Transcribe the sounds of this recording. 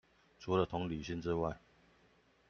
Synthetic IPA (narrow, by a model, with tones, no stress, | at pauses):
ʈ͡ʂʰu˧˥lə˨t̪ʰʊ˧˥ŋly˨˩ɕi˥˧˨ŋʈ͡ʂɻ̩˥˧wa˥˩ɪ